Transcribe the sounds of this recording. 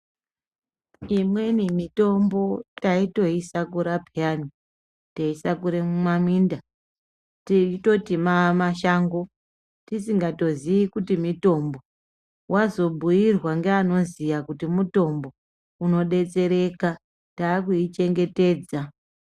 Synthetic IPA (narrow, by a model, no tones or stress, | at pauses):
imwe̞nimito̞mbo̞taito̞isakuɾapʰiani | taisakuɾemumamwiːnda | tito̞timamaʃaːŋɡo̞ | tisiŋɡato̞ziikutimito̞mbo̞ | wʔazo̞bʱujirwaŋɡeano̞zijakutimuto̞mbo̞ | uno̞ɗe̞t͡se̞ɾe̞ka | taːkuit͡ʃe̞ŋɡe̞te̞ːd͡za